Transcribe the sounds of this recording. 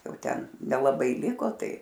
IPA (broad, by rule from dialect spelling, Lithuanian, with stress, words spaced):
ˈjɛʊ ˈtʲɛn nʲɛlˠɐˈbɐɪ ˈlʲɪkoː ˈtɐɪ